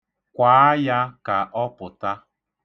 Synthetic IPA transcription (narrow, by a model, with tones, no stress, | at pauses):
kʷaː˨˦ja˦ka˨ʔɔ˦pʊ˨ta˦